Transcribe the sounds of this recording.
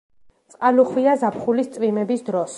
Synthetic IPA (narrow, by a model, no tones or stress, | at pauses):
t̪sʼqʼaluχwiazapʰχulist̪sʼvimɛbisd̪ɾɔs